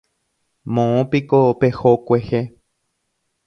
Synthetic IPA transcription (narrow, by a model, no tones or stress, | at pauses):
mõõpikopehokʷehe